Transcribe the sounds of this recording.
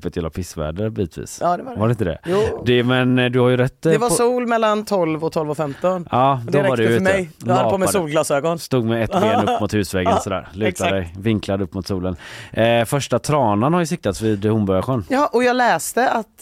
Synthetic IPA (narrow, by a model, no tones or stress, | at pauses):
pːɛt̪jɛlapʰɪsvæ̰ːɖəɔvit̪ʰvḭːsvaɾɛɪnt̪əd̪ɛ̰jd̪ɛmɛnd̪ɵhaɾjɵɾɛt̪ːd̪ɛvasuːlmɛlːant̪ʰɔlvɔt̪ʰɔlvɔfɛmt̪ɔnɑːdd̪ɔɾvadɛɛjlad̪pʰomɛdsuːlɡlɑːsøːɡɔnst̪uːɡmɛɛt̪ːbeːnɵpːmʊt̪hʉ̟ːsvɛɡənsɔd̪æ̰ːɾlʉːt̪ad̪ɛjvɪŋkʰlad̪əɵpːmʊt̪suːlənfœʂʈat̪ʰɾɑːnanhaɾjɵsɪk̚t̪at̪svɪd̪hʊmbɔɾjaɧɛːnɑʔɔjɑːɡlɛːst̪əʔat̪